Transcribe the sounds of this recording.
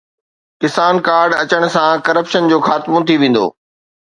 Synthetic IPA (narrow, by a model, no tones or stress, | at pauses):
kɪsaːnkaːɾɖɐt͡ɕəɽ̃ʊ̆sãkɐɾəpʃənd͡ʑoːxaːt̪mõt̪ʰiʋẽːn̆d̪o̰ː